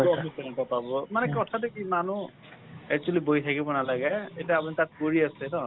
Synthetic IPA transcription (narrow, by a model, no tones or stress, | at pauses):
ɔbisɛnatapabɔmanɛkɔtʰadekimanu | ɛk̚t͡ʃualiboitʰakibɔnalaɡɛetiaapunitat̚koɹiasɛnɔ